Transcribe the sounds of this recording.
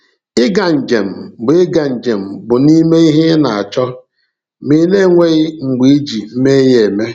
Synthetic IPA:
ɪ˦ɡa˨n̩˨d͡ʒe˨m̩˨bʊ˨ɪ˦ɡa˨n̩˨d͡ʒe˨m̩˨bʊ˨ni˦me˦i˦ɦe˦na˨a˨t͡ʃɔ˦ | mi˨ne˦˨ŋʷe˦ɣɪ˦ŋ͡m̩˨ɡ͡bi˨e˦d͡ʒi˨m̩˦me˦je˨me˦

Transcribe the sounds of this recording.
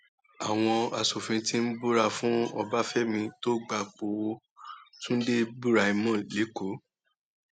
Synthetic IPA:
a˨w̃ɔ̃˧a˨so˨fĩ˧tĩ˦n̩˦bu˦ɾa˧fũ˦ɔ˧ba˦fɛ˦mĩ˧to˦ɡ͡ba˧k͡po˧wo˧ | tũ˦n̩˦de˦bu˦ɾa˧i˧mɔ̃˦˨le˨˦ko˨˦

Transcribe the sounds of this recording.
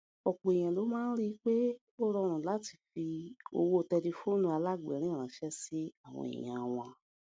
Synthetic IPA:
ɔ˨k͡po˨e˨j̃ã˨lo˨˦mãː˦ɾi˦k͡pe˦ | o˦ɾɔ˧ɾ̃ã˨la˨˦ti̥˨fi˧o̰˧wo˦˧tɛ˧le˧fo˦˨nũ˧˦a˧la˦˨ɡ͡bɛ̰˨˦ɾ̃ĩ˦˨ɾ̃ã˨˦ʃɛ˦si˦a˦˨w̃ɔ̰̃˧ḭ˨j̃ã̰˨˧w̃ã˧

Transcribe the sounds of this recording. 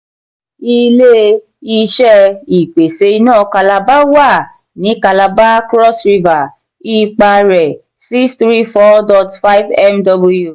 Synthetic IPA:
i˧le˦ | i˧ʃɛ˦i˨k͡pe˨se˧˦i˧nãː˦˨ka˧la˧ba˦wa˦˨ | nĩ˨˦ka˧la˧ba˦kɾɔ˦sɾi˧va˨ | i˧˦k͡pa˧ɾɛ˨ | si˦st̪ɾi˦fɔ˦dɔ˧tfa˦jvɛ˦mdɔ˧bo˦ju˨

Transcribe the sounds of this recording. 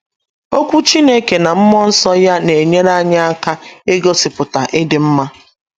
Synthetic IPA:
o˦kʷu˦t͡ʃi˦ne˦ke˨na˨m̩˦mɔ˦n̩˦sɔ˦ja˦ne˨e˨ɲe˦ɾa˦ɲa˦a˦ka˦e˦ɡo˦sɪ˨pʊ˨ta˨ʔɪ˦dɪ˨m̩˦ma˦

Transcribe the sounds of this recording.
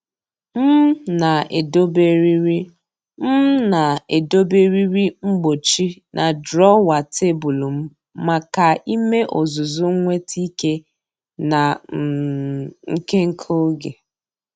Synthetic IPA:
m̩˦na˨e˨do˦be˦ɾi˦ɾi˦ | m̩˦na˨e˨do˦be˦ɾi˦ɾi˦ŋ͡m̩˦ɡ͡bo˨t͡ʃi˦nʔa˨dɾɔ˦wa˨tʰe˦bu˨lu˨m̩˦ | ma˨ka˨i˦me˦ʔo˨zʊ˨zʊ˦ŋ˦ŋʷe˦tʰi˦ke˦ | na˨m̩˨ŋ̩˦ke˦ŋ̩˦kʰo˦ɡe˨

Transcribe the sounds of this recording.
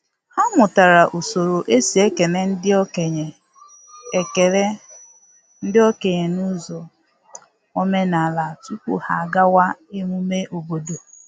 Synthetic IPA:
ha˦mʊ˨ta˨ɾa˨ʔo˨so˨ɾo˨ʔe˦si˨e˦ke˨ne˨n̩˦dɪ˦ɔ˦ke˨ɲe˨ | e˨ke˨ɾe˦ | n̩˦dɪ˦o˦ke˨ɲe˨nu˦zɔ˨ | o˦me˦na˨a˨la˨tu˦kʷṵ˦ha̰˨a˨ɡa˦wa˦e˦mu˦me˦ʔo˨bo˦do˨

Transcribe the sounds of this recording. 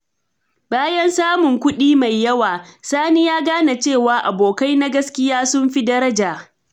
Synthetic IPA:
baː˦jɐ˦nsaː˦mʊ˨ŋkʷʊ˦ɗiː˦ma˨jːɐ˦waː˨saː˦ni˦jaː˦ɡaː˦na˨t͡ʃeː˦˨waː˨ʔa˨boː˨ka˦jna˦ɡɐ˦skʲɪ˦jaː˦sʊ˦mɸi˦dɐ˦ɾɐ˦d͡ʒaː˨

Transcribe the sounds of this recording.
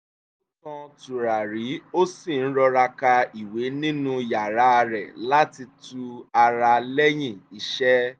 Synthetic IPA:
u˦kã˧tu˨ɾa˨ɾi˨˦o˦si˦˨ñ̩˦ɾɔ˧ɾa˧ka˧i˨we˨˦nĩ˦nũ˦ja˨ɾa˨˦˧ɾɛ˨la˦ti˧tu˧a˧ɾa˧lɛ˦j̃ĩ˦˨i˨˧ʃɛ˦

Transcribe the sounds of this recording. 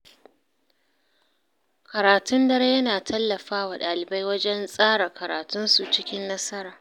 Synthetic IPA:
kɐ˨ɾaː˨tʊ˦ndɐ˦ɾe˦jɐ˦naː˨tʰɐ˦lːɐ˨ɸaː˦waː˨ɗaː˨lɪ˨ba˦jwɐ˦d͡ʒɛ˦nsʼaː˦ɽa˨kɐ˨ɾa̰ː˨tʊ˦nsu˨t͡ʃɪ˦kʲɪ˦nːɐ˦sɐ˦ɾaː˨

